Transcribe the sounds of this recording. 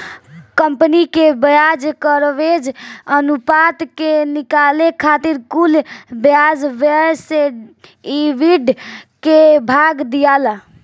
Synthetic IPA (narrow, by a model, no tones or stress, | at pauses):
kəmpənikebjad͡ʒkəɾʋed͡ʒənupat̪kenikalekʰat̪iɾkulbjad͡ʒʋeɾseiʋiɖkebʱaɡd̪ijala